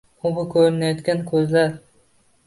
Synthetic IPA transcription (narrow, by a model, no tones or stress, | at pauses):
ʊbʊkʲʰɵɾɪnajɒt̪kʲankʰʲɵzlaɾ